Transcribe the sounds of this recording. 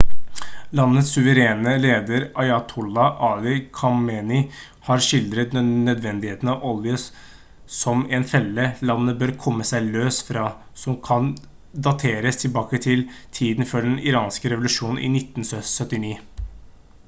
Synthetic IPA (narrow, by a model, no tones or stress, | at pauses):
lɑnːət̪sʉʋəɾeːnəleːd̪əɾʔɑɪɑt̪ʰʊlːɑʔɑlɪkʰɑmɛnɪ | hɑɾʂɪld̪ɾət̪ːœd̪ʋɛnd̪ɪheːt̪n̩ɑʋɔljə | sɔmɛnfɛlːəlɑnːəbøːɾkʰɔmːəsæɪløːsfɾɑː | sɔmkʰɑn | d̪ɑt̪ʰeːɾəst̪ʰɪlbɑːkət̪ʰɪlt̪ʰiːd̪nfɔɖɛnɪɾɑːnskəɾɛʋʊlʉʂuːnn̩ʔɪ̰nɪt̪ːn̩ssœt̪ːɪniː